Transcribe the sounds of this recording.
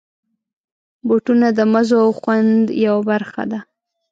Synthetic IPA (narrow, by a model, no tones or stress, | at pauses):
boʈunad̪əmazoawxwand̪jawabaɾxa̰d̪a